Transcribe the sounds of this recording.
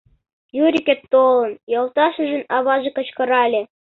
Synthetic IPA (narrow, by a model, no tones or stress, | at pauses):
juɾʲikʲet̪ːolˠɤ̆njɑlˠt̪ɑʃə̆ʒə̆nɑβɑʒĕkɤ̆t͡ɕkɤ̆ɾɑlʲĕ